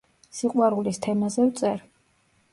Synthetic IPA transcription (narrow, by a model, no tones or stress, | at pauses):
siqʼwaɾulist̪ʰɛmazɛvt̪sʼɛɾ